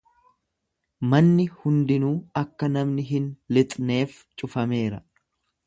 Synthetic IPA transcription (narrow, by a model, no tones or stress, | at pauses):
mɐnːɪhʊnd̪ɪnuːɐkːɐnɐmnɪɦɪnlɪt̪ʼne̞ːf | t͡ʃʼʊfɐme̞ːɾɐ